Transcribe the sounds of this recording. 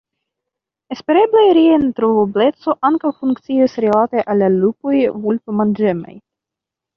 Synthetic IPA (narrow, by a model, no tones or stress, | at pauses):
espe̞ɾeblaɾient̪ɾovoble̞t̪t͡so̞ʔaŋkawfuŋktt͡siasɾilat̪eʔalːalupo̞jvultomand͡ʒema̰j